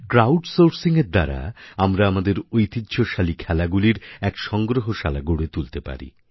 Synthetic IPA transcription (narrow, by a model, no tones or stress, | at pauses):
kɾawɖsoɾsiŋeɾd̪aɾa̰amɾaamad̪eɾojt̪id̪ɕoʃalikʰɛlaɡuliɾɛkʃɔŋɡɾoɦoʃalaɡuɽet̪ult̪epa̰ɾḭ